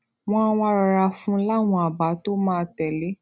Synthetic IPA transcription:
w̃ɔ̃˦a˧wɔ̃˧˦˧ɾɔ˧ɾa˧fũ˦la˦˨w̃ɔ̃˧a˨ba˨˦to˦mãː˦˧tɛ˨le˨˦

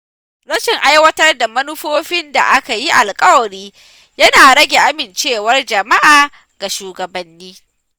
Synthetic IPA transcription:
ɽɐ˦ʃɪ˨ŋʔa˦jwɐ˦tɐ˦rda˨mɐ˦nʊ˦ɸoː˦ɸɪ˦nda̰˨ʔa˦ka˨ji˦ʔa˨lkʼɐ˦wɐ˨ɽiː˦ | jɐ˦naː˨ɽɐ˦ɡʲe˨ʔa˦mɪ˨nt͡ʃeː˦˨wɐ˦rd͡ʒɐ˨ma˦ʔaː˨ | ɡ̥a˨ʃuː˨ɡɐ˨bɐ˨nːiː˦

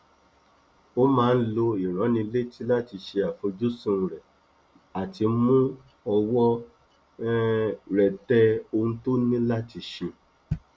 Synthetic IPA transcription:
o˦mãː˦˧n̩˦lo˧i˨ɾ̃ã˨˦nĩ˧le˦ti˦la˦ti˧ʃe˧a˨fo˧d͡ʒu˦sũ˦˨˧ɾɛ˨ | a˨ti˧˦mũ˦ | ɔ˧wɔ˦ | ɾɛ˨tɛ˧o˧ũ˧to˦nĩ˦la˦ti˧ʃe˧

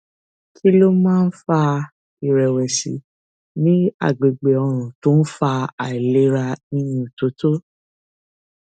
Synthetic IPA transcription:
kʰi˦lo˦mãː˦˧n̩˦fa˧ | i˨ɾɛ˨wɛ˨sḭ˨˦ | nĩ˦a̰˦˨ɡ͡be˨ɡ͡be˨ɔ˧ɾ̃ũ˨tõ˦n̩˦fa˧a˨i˨le˦ɾa˧ĩ˧jũ˧˨to˨˦to˦

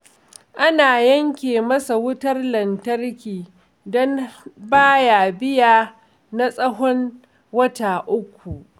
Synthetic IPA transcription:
ʔa˦naː˨jɐ˦ŋkʲeː˨mɐ˦sa˨wʊ˦tɐ˦rlɐ˨ntɐ˦rkʲiː˨ | dɔ˦nbaː˦jaː˨bɪ˦jaː˨ | na˦sʼɐ˦ɦɔ˦n | wɐ˦taː˨ʔʊ˦kʷːu˨ʔ

